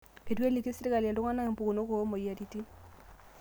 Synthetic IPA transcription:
e˨twe˦li˨ki˦si˦ɾi˦ka˨lja˨ndo˦ŋa˦na˦e˨mpu˨ku˨no˦ko˨˦mo˨ja˨ɾi˨ti˦

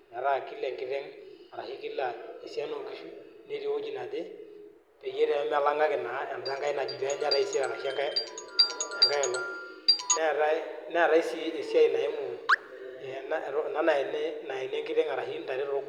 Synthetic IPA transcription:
ɲa˨ɾa˦˨kɪ˦lɛ˨ŋɡɪ˦ɾɛ˦ŋa˨ɾa˨hɪ˦kɪ˦la˨e˨sja˦no˨ŋki˨ʃu˨˦ne˦ɾi˦o˦d͡ʒi˦˨na˨dɪ˦ | pɛ˨je˦ɾɛ˨˦m˦a˦la˦ŋɡa˦kɪ˨na˨˦ja˨nda˦ŋɡa˦ɪ˦na˨d͡ʒi˨tɛ˦ɲ˦a˦ɾa˦i˦sɪ˦a˨ɾa˨ʃa˦ka˦ | a˨ŋɡa˦ɛ˨la˨ | nɛ˦˨ɾa˦nɛ˦a˨ɾa˦i˦si˦e˨sja˦ɪ˨na˨ɪ˦mʊ˨ | ɛ˨na˦˨ɾna˨˦na˨ɛ˨nɛ˦na˨ɛ˨nɛ˦ŋɡɪ˦ɾɛ˦ŋa˨ɾa˨hɪ˦nda˨ɾɪ˦ɾʊ˦k

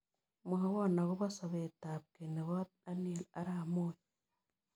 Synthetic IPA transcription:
muɦa˦wa˦na˨ɣo˦βasa˨βetaːβke˨ne˨βa | a˦nila˦ɾamoːj

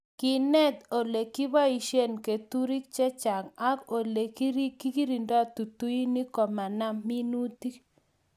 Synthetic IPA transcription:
ki˨nɛ˦t̪o˨le˨ki˦βa˦i˨ʃe˦nke˨t̪u˦ɾi˦k̚t͡ʃɛ˦t͡ʃa˨ŋa˦ko˨le˨ki˦ɾi˦ki˦ki˦ɾi˨nda˦˨t̪u˨t̪u˦i˦ni˦kɔ˨ma˨na˦mi˦nu˦t̪i˦k

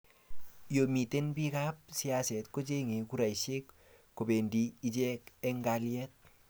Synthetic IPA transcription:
jo˨mi˨te˦nbi˦kap̚si˦a˦sɛ˨tko˦t͡ʃe˦ŋe˨ku˦ɾa˨jʃe˦kː | o˨be˨ndiː˨˦t͡ʃɛ˦kɛ˦ŋɡaljɛ˦t̚

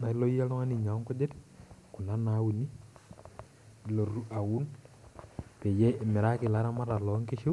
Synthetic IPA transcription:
na˨i˦lo˦i˦a˦lɔ˦ŋa˦ni˨ɲa˨˦ŋku˦de˦tku˨na˦na˨˦wu˨ni˦˨ | lo˨ɾu˦ʔa˨wu˦n | pe˨jɛ˦ʔmɪ˨ɾa˦kɪ˨la˦ɾa˦ma˦ɾa˨lɔ˨˦ŋke˦ʃʊ˦

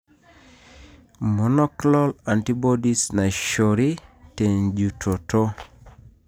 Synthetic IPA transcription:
mɔ˨nɔ˦klɔ˦la˨nti˦bɔ˦di˦sna˨ʃo˨ɾi˦te˨nd͡ʒu˨tʰo˨to˦

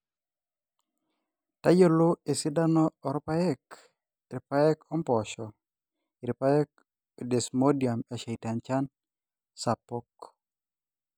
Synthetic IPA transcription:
ta˦jo˦lo˦e˨sɪ˦da˦nɔː˦˨ɾɔpa˦ɛ˦k | ɾɪ˨pa˦ɛ˦kɔ˦mpɔ˨ʃɔ˨ | ɪ˨ɾɪ˨pa˦ɛ˦k̚ | de˨smo˦dia˨mɛ˨ʃa˨jta˨nt͡ʃa˦n | sa˨pok

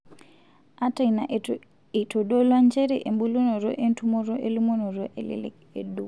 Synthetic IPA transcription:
a˦ta˦˨i˨na˨ʔ | e˨to˨do˦lwa˦ɲt͡ʃɛ˦ɾe˨ʔe˨mbu˦lo˦no˨ɾo˦ʔe˦ntu˦mo˦ɾo˦ʔe˦lu˦mo˦no˨ɾo˦ʔe˨lḛ˦lḛ˦ke˨du˦

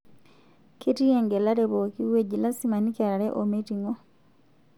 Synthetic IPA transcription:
keti˦jɛŋɡɛ˨la˦ɾɛβoki˦weɟi˨la˦si˦ma˨ni˦ka˨ɾa˨ɾɛʔometiŋɔ˦

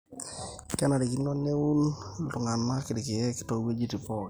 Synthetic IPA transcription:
kɛ˦na˨ɾi˨ki˨nːɔ˦nːe˦u˦nlʊ˨ŋa˨nma˦kɪ˨dɪ˨kɪ˨ɛ˦kɪ̥˨tɔ˨˦we˦d͡ʒi˦ti˨pɔ˦k

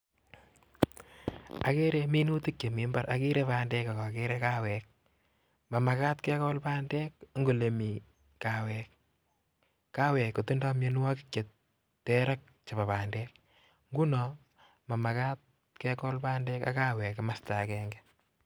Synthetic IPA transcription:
a˨ke˦ɾe˦mi˦nu˦ti˦k̚t͡ʃe˨mi˨˦mba˦ɾʔa˦ki˦ɾe˦paː˦ndɛː˦ka˨kɔ˨ke˦ɾe˦ka˦wɛːk̚ | ma˨ma˨kaː˦tkɛ˦kɔ˦lpaː˦ndɛ˦k̚ŋɡo˨le˨mi˨ | ka˨wɛ˨k | ka˦wɛ˨kːo˨ti˦nda˦mje˦n˦wa˦kɪ̥kje˨t | tɛ˦ɾa˦k̚ | t͡ʃa˨pa˨paː˨ndɛːk̚ | ŋɡu˦nɔ | ma˨ma˨ka˦t̚ | ke˦kɔ˦lpaː˦ndɛ˦ka˦kaː˦wɛː˨kmasta˨kɛːŋɡɛ

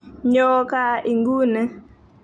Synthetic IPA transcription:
ɲɔ˦ka˦i˨ŋɡu˦nɛ˨

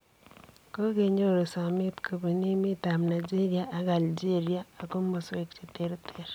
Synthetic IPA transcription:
ko˦ɣeɲoɾe˨sa˨mi˦tkoβi˨ni˦mita˨mna˨d͡ʒe˦ɾiaʔa˨ɣa˨ld͡ʒeɾiaː˦˨ko˦mmose˨kt͡ʃe˨teɾetʰeɾe

